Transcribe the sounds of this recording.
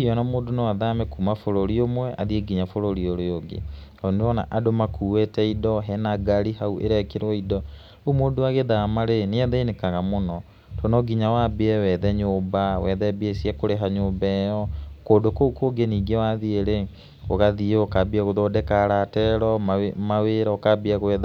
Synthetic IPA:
ɔnɔmoːdonewaðamɛkuːmafoɾoɾiomwɛʔa̰ðieɡiɲafoɾoɾioɾojoɡḛ | ɔneɾɔna̰ʔadomakʰuːwetɛidɔɦɛnaɡaɾiɦauʔḛɾɛkeɾwɔidɔ | omoːdoaɣeðamaɾeneɛðainekaɣamonɔ | tʰɔnɔɡiɲawaːbeɛwɛðɛɲoːmbawɛðɛbiesiakoɾeɦaɲoːmbɛjɔkoːdokoukoɡeniːɡewaðieɾe | oɣaðieokabiaɣoðɔdɛkaɾatɛɾɔmmaweɾaokabiaɣoɛða

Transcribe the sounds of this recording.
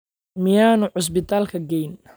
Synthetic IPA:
mɪjaːnʊʕʊs̬bɪt̪ʰaːlkʰɐɡɛjn

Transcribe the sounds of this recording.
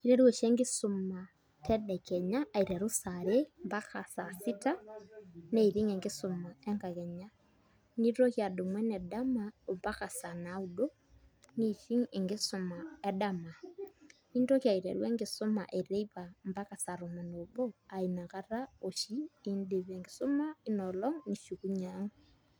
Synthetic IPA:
iɾɛɾwɔʃeŋɡɪsoma | tʰɛdɛkɛɲaːiɾɛɾusaɾembakʰasasita | neiɾiŋeŋɡesomaɛŋɡaɣɛɲa | niɾokjadomwɛnɛdamaombakasanaudo | niʃiŋeŋɡesomaedama | indokjaiɾḛɾweŋɡesoma̰ʔeɾeiβambakasaɾomanoboainakaɾaoʃiindiβeŋɡisomainɔlɔŋniʃukuɲaŋ

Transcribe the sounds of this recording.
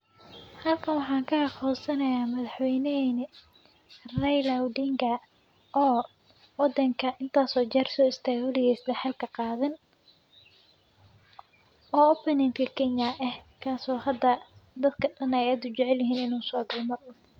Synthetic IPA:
hɐlkʰɐnwɑħɑːŋkʰɐɐχɔːsɐnɐjaːmɐðɑħwɛjnɛɛn | rɛjlɐwd̪iŋɡɐ | ʔɔː | wɑd̪ɐŋkʰɐʔɪnt̪ʰaːsɔːt͡ʃɛrsɔːɪst̪ʰaːɡwɐlɪɣɛsd̪ɐħɑlkʰɐqɑːðɐn | ʔɔːɔpɛnɛːnt̪kʰɐkʰɛɲɐʔɛhkʰaːsɔːhɐd̪ːɐd̪ɐd̪kʰɐɗɐnɛjaːd̪ʊt͡ʃɛʕɛljɪɦiːnɪnuːsɔːɡɐlmɐrʊ

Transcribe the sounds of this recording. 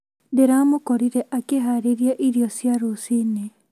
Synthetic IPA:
deɾamokɔɾiɾɛʔakeɦaɾeɾjaʔiɾiɔsjaɾosine

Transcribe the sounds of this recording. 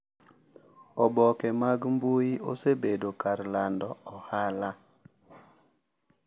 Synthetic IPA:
ɔbɔkɛmaɡmbujio̰sebedokaɾlandɔɔhala

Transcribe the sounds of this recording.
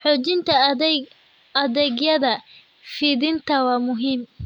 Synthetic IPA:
ħoːt͡ʃɪnt̪ʰɐ | ɐðɛɡjɐðɐ | fiðɪnt̪ʰɐwɑːmʊɦiːm

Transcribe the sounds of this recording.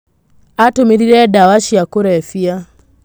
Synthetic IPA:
atumiɾiɾɛdawaʃijakuɾɛɛfia

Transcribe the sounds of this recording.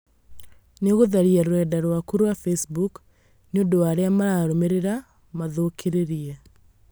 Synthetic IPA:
neɣoðaɾiaɾwɛdaɾwakuɾwafesbuk | neodowaɾeamaɾaɾomeɾeɾa | maðokʰeɾeɾiɛ

